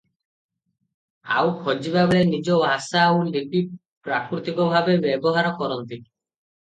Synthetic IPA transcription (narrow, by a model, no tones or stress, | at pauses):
a̰wkʰɔd͡ʒibabeɭenid͡ʒɔbʱasaowliʈi | pɾakɾit̪ikɔbʱabebebɔɦaɾɔkɔɾɔnt̪i